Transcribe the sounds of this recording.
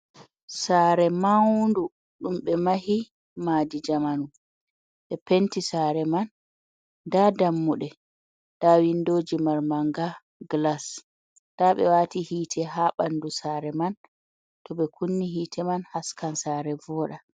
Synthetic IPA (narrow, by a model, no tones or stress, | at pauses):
saːɾɛmawndu | ɗumɓɛmahi | madid͡ʒamanu | ɓɛpentisaːɾɛman | dadamːuɗɛ | dawindoːd͡ʒimaɾmaŋɡa | ɡlas | taɓɛ̰watihiːtʰɛɦaɓandusaɾɛman | tɔɓɛkʰunːiɦiːtʰɛmanhaskansaːɾɛvɔɗa